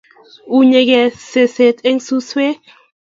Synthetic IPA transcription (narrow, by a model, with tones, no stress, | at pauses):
u˦ɲe˧ɡɛ˨se˨se˨t̪e˦ŋsu˦swe˦